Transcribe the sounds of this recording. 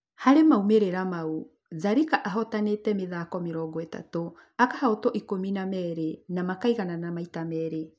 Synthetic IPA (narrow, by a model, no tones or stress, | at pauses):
haɾemaumeɾeɾamau | zaɾikaʔaɦɔtanetɛmeðaːkɔmeɾɔɡɔeta̰to | akahaotɔʔikominamɛɾenamakaiɣananamaitamɛɾe